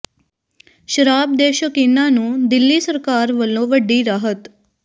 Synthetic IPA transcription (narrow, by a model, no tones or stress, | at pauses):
ʃəɾab̚d̪eʃəkinːanũːd̪ɪlːisəɾkaɾʋəlːoʋəɖːiɾaɦət̪